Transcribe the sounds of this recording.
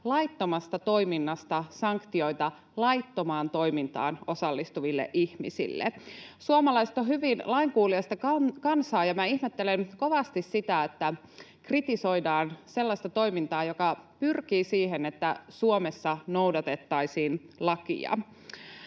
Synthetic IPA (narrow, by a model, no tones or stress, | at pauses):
lɑjt̪ːo̞mɑst̪ɑt̪o̞iminːɑst̪ɑsɑŋkt̪io̞jt̪ɑ | lɑjt̪ːomɑːnt̪o̞ijmint̪ɑ̰ːno̞sɑlːist̪uʋilːḛʔihmḭsḭlːḛsuomɑlɑjse̥t̪ohyʋinlɑiŋkuːliɑst̪ɑkɑkɑnsɑːjɑmæihmet̪ːelenko̞ʋɑst̪issit̪æet̪ːæ | krit̪iso̞jdɑːnse̞lːɑsʲt̪ɑt̪o̞ijmint̪ɑːjokɑpyrkiːsiːɦenet̪ːæsuomesːɑno̞wdɑt̪e̞t̪ːɑisiːnlɑkḭɑ̰